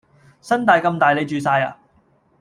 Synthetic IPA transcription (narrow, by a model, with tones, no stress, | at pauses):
sɐ˥nt̪aː˨jkɐ˧mt̪aː˨jle˨˧jt͡ʃyː˨saː˧ja̰ː˧